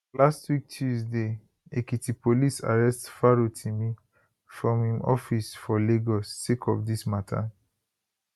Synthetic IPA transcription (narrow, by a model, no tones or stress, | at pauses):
lastwik̚tʰjuzde | ekitipolisa̰ɹɛstfaɹotʰimi | fɹɔ̃mhĩmɔfisfɔleɡɔsːekʰɔfdismatʰa̰